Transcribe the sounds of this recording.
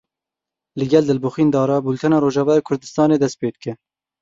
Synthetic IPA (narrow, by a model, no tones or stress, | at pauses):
lɨɡʲɛld̪ɨlbuxiːnd̪ɑːɾɑːbuːlt̪ʰɛnɑːɾoːʒɑːvɑːjeːkʰʊɾd̪ɨst̪ɑːneːd̪ɛst̪̚peːd̪ɨkɛ